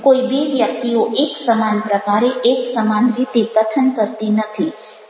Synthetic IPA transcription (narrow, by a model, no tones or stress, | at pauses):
koibeʋjək̚t̪ioʔeksəmanpɾəkaɾeʔeksəmanɾit̪epɾət̪ʰənkəɾt̪inət̪ʰi